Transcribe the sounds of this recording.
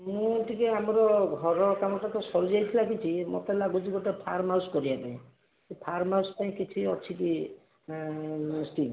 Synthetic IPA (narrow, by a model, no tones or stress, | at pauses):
mũʈikeamɾɔɡʱɔɾɔkamɔʈakɔsɔɾud͡ʒajt̪ʰilakit͡ʃʰimɔ̰t̪alaɡud͡ʒiɡoʈepʰaɾmaskɔɾiabẽ | epʰaɾmawspaĩkit͡ʃʰiɔt͡ʃʰiki | sʈil